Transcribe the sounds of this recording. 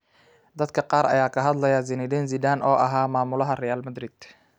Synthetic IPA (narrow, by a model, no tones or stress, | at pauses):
d̪ɐd̪kʰɐqɑːɾʔɐ̰jaːkʰɐɦɐd̪lɐjɐzɪnɪd̪ɛnzɪd̪aːnɔːʔɐɦaːmaːmʊlɐɦɐrɛjaːlmɐd̪rɪd̪̥